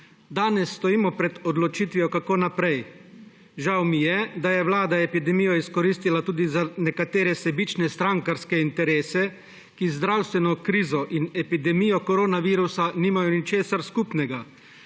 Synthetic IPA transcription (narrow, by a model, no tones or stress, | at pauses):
d̪aːnɛsːt̪ɔjiːmɔpɾɛd̪ɔd̪lɔt͡ʃiːt̪ʋijɔkakoːnapɾɛj | ʒawmijɛd̪ajɛwlaːd̪aepid̪ɛmijɔiskɔɾiːst̪ilat̪uːd̪izanɛkat̪eːɾɛsɛbiːt͡ʃnɛst̪ɾaŋkaɾskɛint̪ɛɾeːsɛ | kizd̪ɾawst̪ʋɛnɔkɾiːzɔʔinɛpid̪ɛmijɔkɔɾoːnaʋiːɾusaniːmajɔnit͡ʃeːsaɾskupnɛɡa